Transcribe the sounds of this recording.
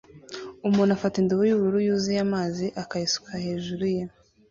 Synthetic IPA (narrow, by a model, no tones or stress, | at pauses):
umuːnafatindoβujuβuɾujuzijamaːziʔakajisu̥kʰahe̞ːʒuɾuja